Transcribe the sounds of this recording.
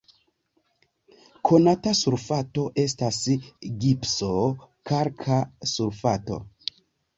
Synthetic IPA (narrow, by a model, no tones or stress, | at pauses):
kʰo̞natasuɾfato̞ʔe̞stasɡipsokaɾkʰasuɾfato̞̰